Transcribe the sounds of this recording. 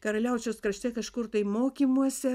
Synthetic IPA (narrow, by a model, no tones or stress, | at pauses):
kɐɾɐlʲɛʊt͡ʃʲoːskɾɐʃʲt̪ʲɛkɐʃkʊrt̪ɐɪmoːkʲiːmuɔsʲɛ